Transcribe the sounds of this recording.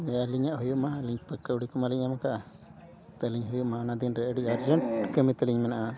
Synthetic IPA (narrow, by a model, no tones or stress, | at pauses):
aliɲaʔhujuʔmaliɲpəkːauɽikɔmaliɲamakaʔa | t̪əliɲɦujuʔmanad̪inɾəʔəɖiaɾd͡ʒəɳʈkəmit̪əliɲmɛnaʔa